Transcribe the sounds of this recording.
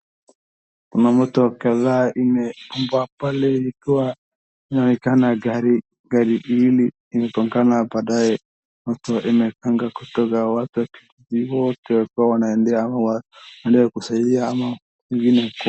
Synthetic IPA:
kunamɔtɔkaðaʔinɛpumbapalɛikiwa | inawikanaɡaɾi | ɡaɾiʔiliː | mɛkɔŋɡanapaɗajɛ | mɔtɔʔimɛkaŋɡakutɔɡawatuwakitiziwɔtɛwakiwawanaɛndɛamawawɛndɛwɛkusaiaːma | iŋɡinɛk

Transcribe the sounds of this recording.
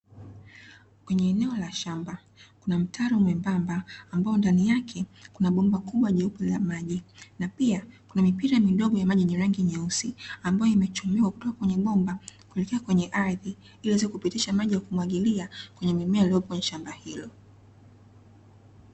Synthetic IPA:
kwɛɲɛːnɛɔlaʃamba | kunam̩tʰaɾɔmwɛmbambaːmbaɔndanijakʰɛkunaɓɔmbakuɓwaʄɛupulamaʄinapiakunamipiɾamiɗɔɠɔjamaʄiɲɛɾaŋɡiɲɛusiambajɔimɛt͡ʃumiwaku̥tɔkakwɛɲɛɓɔmbakulikiakwɛɲɛʔaɾði | iliɛzikupitiʃamaʄijakumwaɠiliakwɛɲɛmimɛaliɔpɔɛɲɛʃambahilɔ

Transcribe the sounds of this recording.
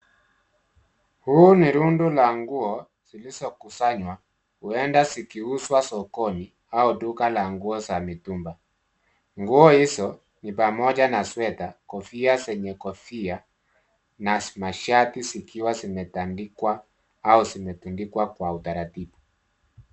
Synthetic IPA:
huːniɾundulaŋɡuɔ | z̥ilizɔkusaɲwa | huɛndasikiuswasɔkɔni | audukalaŋɡuɔsamitumba | ŋɡuɔhisɔ | nipamɔd͡ʒanaswɛtakɔfiasɛɲɛkɔfia | namaʃatisikiwazimɛtandikwaː | uzimɛtundikwakwautaɾatibu

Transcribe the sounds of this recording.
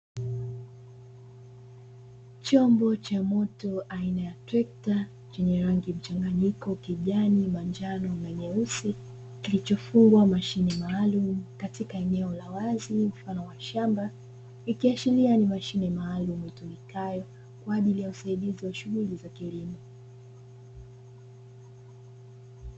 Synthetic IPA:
t͡ʃɔmbɔt͡ʃamɔtɔʔainajatwɛk̚ta | t͡ʃɛɲɛɾaŋɡim̩t͡ʃaŋɡaɲikɔkiʄanimand͡ʒanɔnaɲɛusi | kilit͡ʃɔfuŋɡwamaʃinɛmaːlumukatikaɛnɛɔlawazim̩fanɔwaʃamba | ikiat͡ʃilianimaʃinɛmaːlumuhitumikajɔ | kwaːʄilijausaiɗiziwaʃuɣulizakilimɔ

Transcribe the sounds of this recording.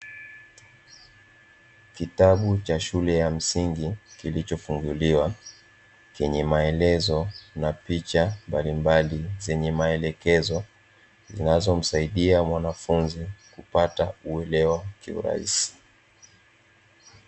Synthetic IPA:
kitaɓut͡ʃaʃulɛjam̩siŋɡikilit͡ʃɔfuŋɡuliwa | t͡ʃɛɲɛmaɛlɛzɔnapit͡ʃambalimbalizɛɲɛmaɛlɛkɛzɔ | zḭnazɔm̩saiɗiamwanafunzikupatauɛlɛwakiṵɾa̰ḭsi̥

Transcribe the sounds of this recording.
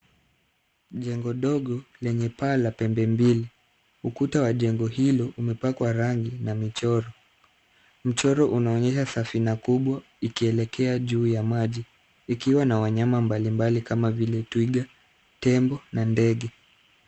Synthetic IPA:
ʄɛŋɡɔɗɔɠɔlɛɲɛpalapɛmbɛmbili | ukutawaʄɛŋɡɔhilɔʔumɛpakwaɾaŋɡinamit͡ʃɔɾɔ | m̩t͡ʃɔɾɔʔunaɔɲɛʃasafinakuɓwa | ikiɛlɛkʰɛaʄuːjamaʄiː | kiwanawaɲamambalimbalikamavilɛtwiɡa | tɛmbɔnandɛɠɛ

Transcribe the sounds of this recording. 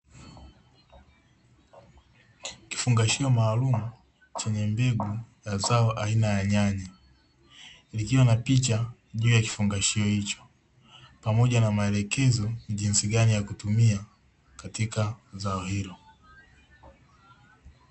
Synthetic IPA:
ki̥fuŋɡaʃiɔmaːlumu | t͡ʃɛɲɛmbɛɡujazaɔʔainajaɲaɲa | likiwanapit͡ʃaʄuːjaki̥fuŋɡaʃiɔhit͡ʃɔ̥ | pamɔʄanamaɛlɛkɛzɔniʄinsiɡanijakutumia | katikazaɔhilɔ

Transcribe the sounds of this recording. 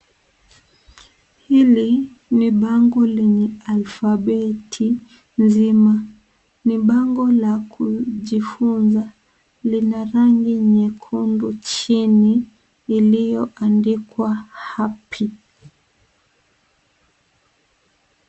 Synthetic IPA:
hili | niɓaŋɡɔlɛɲɛalfaɓɛtʰi | nzima | niɓaŋɡɔlakʰuʄifunza | linaɾaŋɡiɲɛkʰundut͡ʃiniː | lijɔʔandikwahapʰi

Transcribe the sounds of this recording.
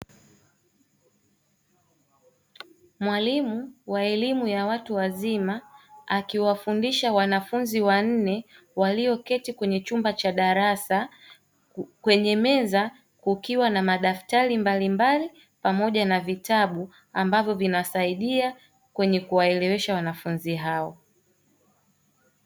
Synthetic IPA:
mwalimuwaɛlimujawatuwazimaakiwafundiʃawanafunziwan̩nɛ | waliɔkɛtikwɛɲɛt͡ʃumbat͡ʃaɗaɾasa | kwɛɲɛmɛza | kukiwanamaɗaftaɾimbalimbali | pamɔʄanavitaɓu | ambavjɔvinasaiɗia | kwɛɲɛkuwaɛlɛwɛʃawanafunziɦaɔ

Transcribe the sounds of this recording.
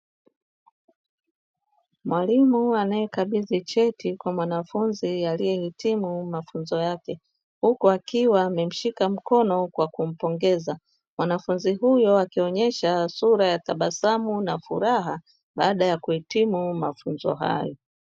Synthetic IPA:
mwalimuanajɛkaɓiðit͡ʃɛtikwamwanafunzialijɛhitimumafunzɔjakɛ | hukuakiwaːmɛm̩ʃikam̩kɔnɔkwakum̩pɔŋɡɛza | mwanafunziɦujɔakiɔɲɛʃasuɾajataɓasamunafuɾaɦa | ɓaːɗajakuhitimumafunzɔ̰ɦa̰jɔ

